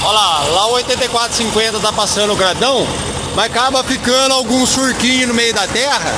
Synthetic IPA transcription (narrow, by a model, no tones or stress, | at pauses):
olalaojt̪ẽnt̪ejkwat̪ɾʊ̥sĩŋkwẽnt̪ɐt̪apasɐ̃d̪ʊɡɾad̪ɐ̃w̃ | mɐzakabɐfikɐ̃nd̪ʊawɡũsuɾkĩɲʊnʊmejʊd̪ɐt̪ɛɦɐ̰